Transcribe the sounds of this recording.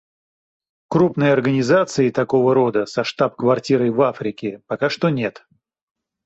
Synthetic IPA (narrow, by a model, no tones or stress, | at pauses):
krupnɨjɐrɡənʲɪzat̪sɨɪt̪ɐko̞vəɾo̞d̪əsɐʂt̪apkvɐrtʲiɾəjvafɾʲɪkʲɪpɐkaʂt̪onʲe̞t̪